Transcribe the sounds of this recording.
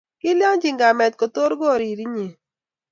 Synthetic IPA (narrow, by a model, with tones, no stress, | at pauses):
kɪ˦lja˦ŋd͡ʒi˨ŋɡa˨mɛ˨t̪̚ko˨t̪o˦ɾɡo˦˨ɾi˨ɾi˦ɲe˨